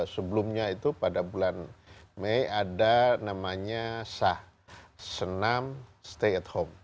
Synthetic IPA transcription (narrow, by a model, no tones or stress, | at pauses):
səbəlumɲait̪upadabulanmejadanamaɲasah | sənamst̪eɛt̪hom